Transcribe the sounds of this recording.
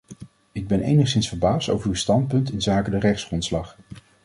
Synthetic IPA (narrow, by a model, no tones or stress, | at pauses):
ɪɡ̚bɛnḛjnəχsɪnsfəɹbaːsto̰wvəɹywstɑnt̚pɵntɪnzaːkədərɛχtsχrɔntslɑχ